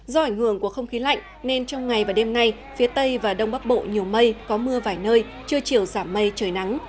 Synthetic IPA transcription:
zɔ˧ʔa˧˩jŋ̟hɨ˧˩əŋku˧˩əxə˧wŋ͡mxi˨˦la̰˧˨jŋ̟ne˧nt͡ɕɔ˧wŋ͡mŋa˨˩jvaː˨˩ɗe˧mna˧j | fi˨˦ət̪ə˧jvaː˨˩ɗə˧wŋ͡mɓa˦˥k̚ɓo̰˧˨ɲi˨˩əwmə˧jkɔ˨˦mɨ˧əvaː˨˩jnəː˧j | t͡ɕɨ˧ət͡ɕi˨˩əwzaː˧˩mːə˧jt͡ɕəː˨˩jna˨˦ŋ

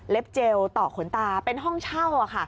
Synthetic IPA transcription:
le˦˥p̚t͡ɕe˧wt̪ɔː˨˩kʰo˩˦nt̪aː˧pe˧nɦɔ˥˩ŋt͡ɕʰa˥˩wa˨˩kʰa˥˩

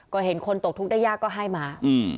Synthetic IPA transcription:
kɔː˥˩ɦe˩˦nkʰo˧nt̪o˨˩k̪̚ʰu˦˥k̚daː˥˩jːaː˥˩kːɔː˥˩ɦa˥˩jmaː˧˩ʔɯː˧˩

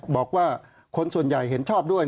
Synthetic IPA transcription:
bɔː˨˩k̚waː˥˩ | kʰo˧nsu˨˩ənja˨˩jɦe˩˦nt͡ɕʰɔː˥˩p̚du˥˩əj

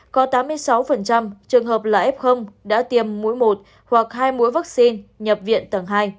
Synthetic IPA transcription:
kɔ˨˦t̪aː˨˦mːɨ˧əjsa˨˦wfə˨˩nt͡ɕa˧mt͡ɕɨ˨˩əŋɦəː˨˩p̚la̰ː˨˩ʔɛ˦˥p̚xə˧wŋ͡mɗa̰ː˧˥t̪i˨˩əmːu˧˥əjmo˨˩t̚ | hwa˨˩k̚haː˧jmṵ˧˥əjva˦˥k̚si˧nɲə˨˩p̚vḭ˧˨ənt̪ə˨˩ŋɦaː˧j

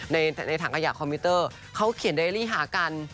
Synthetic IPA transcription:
na˧jna˧jt̪ʰaː˩˦kʰa˧jaː˨˩kʰɔː˧miː˧˥t̪ɤː˥˩ | kʰa˦˥wkʰi˨˩˦ndaː˧˥˩jliː˥˩ɦaː˩˦ka˧n

